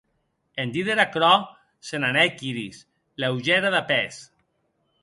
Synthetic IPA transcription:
end̪iðeɾakɾɔ | senanɛkiɾis | lewʒɛɾaðapɛs

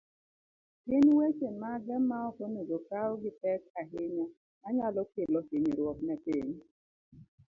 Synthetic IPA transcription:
pɪnwet͡ʃemaɡɛmːaɔkɔnoɡokaʊɡɪtɛkaɦɪɲɔ | naɲalɔkɪlɔhiɲɾwɔk̚nɛpɪɲ

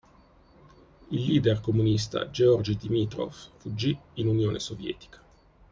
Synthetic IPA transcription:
ilːiːd̪erkomunist̪a̰d͡ʒeɔrd͡ʒd̪imit̪ɾɔ̰ffud͡ʒːiːnunjoːnʔesovjɛ̰ːt̪i̥kḁ

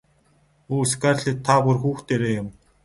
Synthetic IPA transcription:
uːskarɮiːt̪ʰːapurxuːxt̪eɾeːjʊm

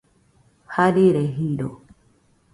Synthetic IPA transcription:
haɗiːɾɛɦiːɗɔ

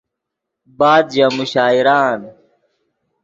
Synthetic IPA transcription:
baːd̪d͡ʑamuɕaːiɾaːn

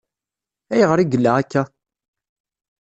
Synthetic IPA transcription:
æjəʁəɾiɡəlːaækːæ

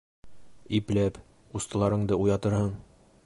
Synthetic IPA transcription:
iplæp | ust̪ɤ̆lˠɑɾɤ̆ɴd̪ɤujɑt̪ɤɾhɤɴ

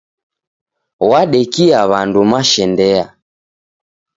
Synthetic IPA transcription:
waɗɛkiaβandumaʃɛndɛa

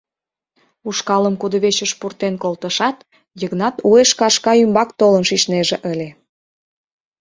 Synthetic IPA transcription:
uʃkɑləmkud̪ə̆βet͡ɕəʃpurt̪enkolt̪əʃɑt̪ | jəɣnɑt̪ueʃkɑʃkɑymbɑkt̪olənʃiʃneʒeʔəlʲe

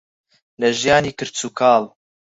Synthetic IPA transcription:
lɐʒjaːniːkɨɾt͡suːkʰɑːl

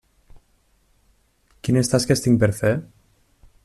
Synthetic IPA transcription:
kinest̪askest̪iŋpeɾfe

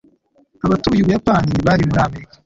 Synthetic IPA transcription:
aβatujiβujapaːniβaɾimuɾaːmeɾikḁ

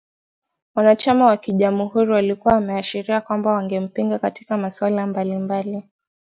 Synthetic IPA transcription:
wanat͡ʃamawakiʄamuhuɾuwalikuwaːmɛaʃiɾiakwambawaŋɡɛm̩piŋɡakatikamaswalambalimbali

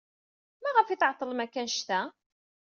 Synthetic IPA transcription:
mæʁəfit̪ʕt̪ˤːəlmækːænʃt̪æ

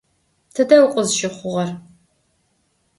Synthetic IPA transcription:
tʰɨdɐwqʷʼʊzʃɪχʷʊʁɐr

